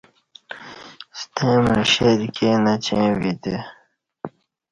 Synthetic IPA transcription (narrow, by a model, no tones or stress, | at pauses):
st̪ʰẽmɐɕeɾkʰenɐt͡ɕẽwit̪e